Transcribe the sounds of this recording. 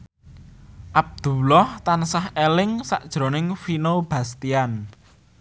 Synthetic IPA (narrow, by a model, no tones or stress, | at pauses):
ʔab̚d̪̥ṳlɔht̪ansahelɪŋsa̰ʔd̥ʒ̥ɾo̤nɪŋfinob̥ä̤st̪ian